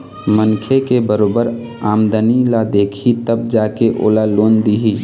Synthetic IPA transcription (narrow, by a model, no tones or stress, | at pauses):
mənkʰekebəɾoːbəɾ | aːmd̪ənilad̪eːkʰit̪əb̚d͡ʒaːkeʔo̰ːlaloːnd̪iɦi